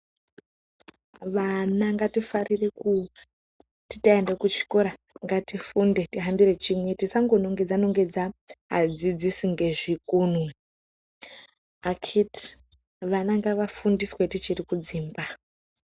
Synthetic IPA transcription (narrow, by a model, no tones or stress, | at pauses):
ʋanaŋɡatifarireku | ti̥taendekut͡ʃi̥koɾaŋɡatifunde̞tiɦambiɾe̞t͡ʃimwe̞tisaŋɡono̞ŋɡe̞d͡zano̞ŋɡe̞d͡zaɦa̰d͡zid͡zisiŋɡe̞ʐikunwe | akʰiti̥ | ʋanaŋɡaʋafundiswetit͡ʃirikud͡ziːmba